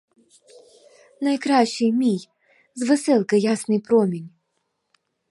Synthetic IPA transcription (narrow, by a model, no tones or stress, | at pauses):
nɐjkɾaɕːɨjmʲij | zvɨsɛlˠkəjasnɨjpɾomʲɪnʲ